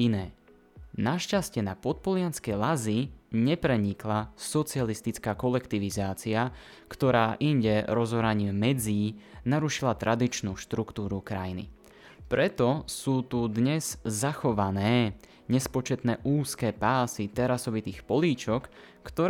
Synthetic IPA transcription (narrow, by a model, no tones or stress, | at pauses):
inɛː | naʃcascɪɛnapɔt̪̚pɔlɪanskɛjlaziɲɛpɾɛɲiklasɔt͡sialist̪it͡skaːkɔlɛkt̪iʋizaːt͡sia | kt̪ɔɾaːʔiɲɟɛɾɔzɔɾaɲimɛd͡ziːnaɾuʃilat̪ɾʔad̪it͡ʃnuːʃt̪ɾukt̪uːɾukɾa̰jinḭ | pɾɛt̪ɔsuːt̪ud̪ɲɛz̥zaxɔʋanɛː | ɲɛspɔt͡ʃɛt̪nɛːʔuːskɛːpaːsit̪ɛɾasɔʋit̪iːxpɔliːt͡ʃɔkː | t̪ɔɾ